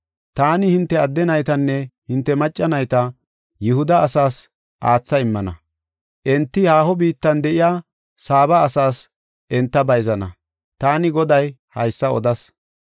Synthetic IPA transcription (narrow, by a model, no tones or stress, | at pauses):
t̪aːnɪhɪnt̪ːɛɐd̪ːɛnɐjt̪ɐnːɛhɪnt̪ːɛmɐt͡ʃʼːɐnɐjt̪ɐ | jɪhʊd̪ɐːsaːs | ʔaːt͡sːɐɪmːɐnɐ̰ | ʔɛnt̪ːɪhaːhɔbiːt̪ːɐnd̪ɛʔɪjaː | saːbɐːsaːs | ʔɛnt̪ːɐbɐjzɐnɐ̰ | t̪aːnɪɡɔd̪ɐj | hɐjsːɐɔd̪ɐs